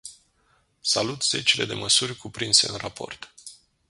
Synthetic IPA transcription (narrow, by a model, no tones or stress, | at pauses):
salut̪z̥e̞t͡ʃile̞d̪e̞̰məsurʲkupɾinse̞̰ɨnrapʰo̞̰rt̪